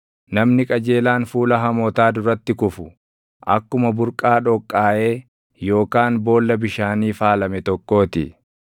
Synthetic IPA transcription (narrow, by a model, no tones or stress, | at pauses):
nɐmnɪkʼɐd͡ʒe̞ːlaːnfuːlɐɦɐmoːt̪aːd̪ʊɾɐt̪ːɪkʊfʊ̥ | ʔɐkːʊmɐbʊɾkʼaːᶑɔkʼːaːʔe̞ː | jo̞ːkaːnbo̞ːlːɐbɪʃaːniːfaːlɐmɛt̪ɔkːo̞ːt̪ɪ̰